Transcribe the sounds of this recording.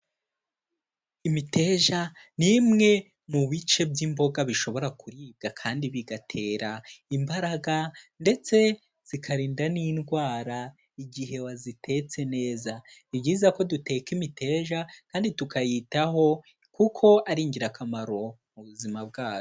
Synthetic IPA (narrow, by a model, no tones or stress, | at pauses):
imite̞ʒanimŋe̞ | muβit͡ʃe̞bɟimbo̞ɡaβiʃo̞βo̞ɾakuɾiːb̚ɡakʰaːndiβiɡatʰe̞ːɾaimbaɾaɡande̞t͡se̞ | z̥ikʰaɾiːndaninɡwaːɾa | iɡiɦe̞wazitʰe̞t͡se̞ne̞ːzaibɟiːzako̞dute̞ːkimitʰe̞ːʒakaːnditukʰajitaho̞ | kukʰo̞aɾiːɲɟiɾakamaɾo̞ | muβuzimab̚ɡaːjo